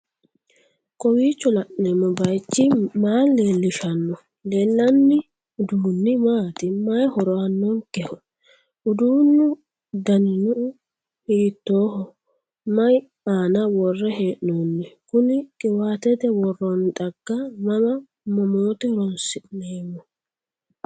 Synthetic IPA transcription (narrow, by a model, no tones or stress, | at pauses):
kʼɔwiːt͡ʃːɔlɐʔneːmːɔbɐjt͡ʃːɪmaːlːeːlːɪʃɐnːɔ | lɛlːɐnːɪ | ʊd̪uːnːɪmaːt̪ɪmɐjhɔɾɔɐnːɔnkɛhɔ | ʊd̪uːnːʊ | d̪ɐnːʊ | hiːt̪ːoːhɔ | mɐj | aːnɐwɔrːɛɦeːʔnoːnːɛkʊnɪkʼɛwaːt̪ɛd̪ɛwɔrːɔnt̪ʼɐɡ̥ːɐnɐmɐ | mɔmoːt̪ɛɾɔnsɪneːmːɔ